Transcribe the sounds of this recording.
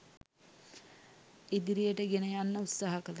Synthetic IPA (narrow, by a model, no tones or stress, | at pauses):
id̪iɾijəʈəɡenəjanːəut̪saːɦɐkəlɐ